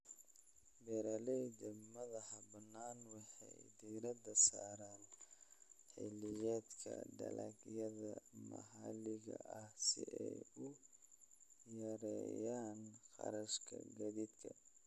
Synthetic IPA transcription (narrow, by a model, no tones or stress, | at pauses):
bɛɾɐlɛdɐmɐðɐhɐbɐnːaːnwɑħɑjd̪iːɾɐd̪ɐsaːɾaːn | ħɪlɪjɛːd̪kʰɐɖɐlɐ̰ɡjɐðɐmɐ̰ɦɐlɪɣɐʔɐhsɪʔɛjʊ | jɐɾɛ̰jaːnqɑɾɐʃkʰɐɡɐðiːd̪kʰɐ